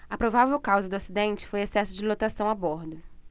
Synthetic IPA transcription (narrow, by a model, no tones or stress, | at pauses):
ɐpɾovavewkawzɐd̪ʊasid̪ẽnt͡ʃɪ̥fojesɛsʊd͡ʒɪlot̪asɐ̃w̃aboɾd̪ʊ